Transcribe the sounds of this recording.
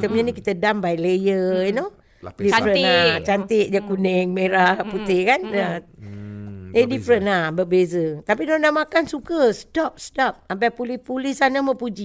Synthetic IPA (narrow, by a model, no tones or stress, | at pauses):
t̪əmɲanikit̪ədambajlejəino | difɾənat͡ʃant̪ɪʔ̚d͡ʒəkunɛŋmeɾahput̪ɪhkanə | ədifɾənlahbəbezət̪apinonaʔmakansukəst̪ɔp̚st̪ɔp̚ambapulɪhpulɪhsanəməpud͡ʒi